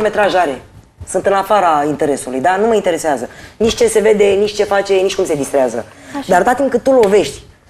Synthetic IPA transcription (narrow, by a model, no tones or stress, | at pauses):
me̞t̪ɾaʒaɾe̞ | sunt̪ɨnafaɾaint̪e̞ɾe̞sulṵjd̪anuməint̪e̞ɾe̞seazənit͡ʃt͡ʃe̞se̞ve̞d̪e̞nit͡ʃt͡ʃe̞fat͡ʃe̞nit͡ʃkumse̞d̪ist̪ɾeazə̰d̪aɾot̪at̪imkɨt̪̚t̪ːulo̞ve̞ʃt̪ʲ